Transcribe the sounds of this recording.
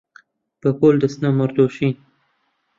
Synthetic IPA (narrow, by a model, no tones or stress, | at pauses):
pəkold̪əsnamaɾd̪oʃĩ